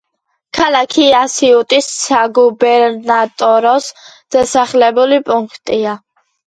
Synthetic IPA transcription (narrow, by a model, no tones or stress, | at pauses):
kʰalakʰiasiut̪ʼisːaɡubɛɾnat̪ʼɔɾɔsd̪̥asaχlɛbulipʼuŋkʰt̪ʼia